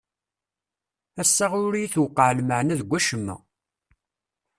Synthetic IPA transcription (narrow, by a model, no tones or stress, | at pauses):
æsːɑʁʊɾijiθwəqːəʕlməʕənæðɡʷːæʃəmːæ̰